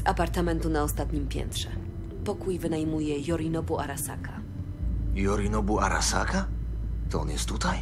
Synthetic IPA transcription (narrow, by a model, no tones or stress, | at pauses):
zapaɾt̪amɛnt̪unaɔst̪at̪ɲimpʲjɛ̰nt̪ʂɛ | pɔkujvɘnajmujɛjɔɾinɔbuaɾasa̰ka | jɔɾinɔbuaɾa̰sa̰kat̪ɔɔnjɛst̪ːut̪aj